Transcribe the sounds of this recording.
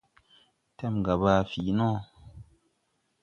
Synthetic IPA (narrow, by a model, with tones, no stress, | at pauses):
tɛ˦˨m˨ɡa˨baː˨fi˨nɔ̃˦